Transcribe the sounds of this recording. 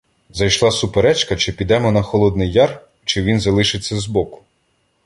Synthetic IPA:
zɐjʃlˠɑsʊpeɾɛt͡ʃkɐt͡ʃɪpʲid̪ɛmɔnɐxɔlˠɔd̪̚nɪjːɑr | t͡ʃɪʋʲinzɐlˠɪʃɪt͡sʲːɐzbɔkʊ̥

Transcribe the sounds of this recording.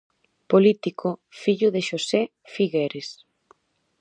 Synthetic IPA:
polit̪ikʰofiʎʊðeʃosɛ | fiɣeɾes

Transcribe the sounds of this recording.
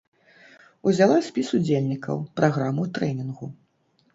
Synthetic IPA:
uzʲalˠasʲpʲisud͡zʲelʲnʲikɐ̰wpɾʔaɣɾamut̪ɾɛnʲinɣu

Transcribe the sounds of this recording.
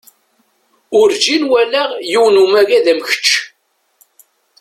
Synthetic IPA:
ʊɾd͡ʒinwælæʁjiwnumæɡæðæmçə̥t͡ʃː

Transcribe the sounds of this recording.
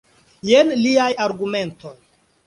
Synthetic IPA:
jenliajaɾɡume̞nto̞j

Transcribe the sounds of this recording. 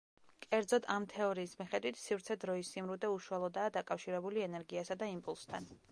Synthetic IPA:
kʼɛɾd̪zɔd̪amt̪ʰɛɔɾiːsmiχɛd̪wit̪ʰsivɾt̪sʰɛd̪ɾɔisːimɾud̪ɛuʃualˠɔd̪aːd̪akʼafʃiɾɛbuliɛnɛɾɡiasad̪aimpʼulˠst̪ʰa̰n

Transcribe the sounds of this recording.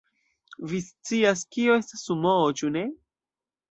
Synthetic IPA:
vist͡siaskioe̞stasumoot͡ʃune̞

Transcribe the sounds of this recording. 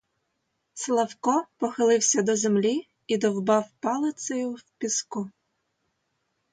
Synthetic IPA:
slˠɐwkɔpɔxɪlˠɪwsʲɐd̪ɔzemlʲi | id̪ɔwbɑwpɑlˠɪt̪sɐjʊwpʲisku

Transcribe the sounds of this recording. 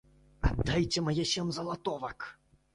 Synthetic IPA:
a̰d̪ːajt͡sʲɛmajɛɕʲɛmzɐlˠat̪ɔvɐk

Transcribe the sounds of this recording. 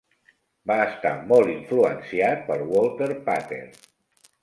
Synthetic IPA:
baəst̪a̰mɔlˠiɱfluənsiat̪̚pəlˠwolˠt̪eɾpat̪ḛɾ

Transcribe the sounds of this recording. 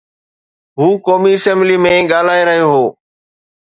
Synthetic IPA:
ɦuːkɔːmiɪsɛ̃mblimẽːɠaːl̤aːeɾəɦijoɦoː

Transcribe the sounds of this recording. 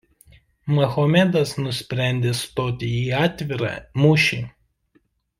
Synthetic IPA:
mɐxoːmʲɛd̪ɐsnʊsʲpʲɾʲæˑnʲd̪ʲeːst̪oːt̪ʲɪiːɑːt̪ʲʋʲɪɾɑ̰ːmʊʃʲiː

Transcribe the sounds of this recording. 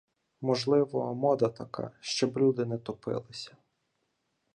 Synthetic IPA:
mɔʒlˠɪʋɔmɔd̪ɐt̪ɐka̰ʃt͡ʃɔblʲud̪ɪnɛt̪ɔpɪ̰lˠɪsʲɐ̥

